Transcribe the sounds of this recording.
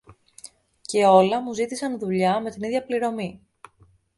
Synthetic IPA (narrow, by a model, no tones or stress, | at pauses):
ce̞o̞lɐmuzit̪isɐnðuʎɐme̞t̪iniðʝɐpliɾo̞mi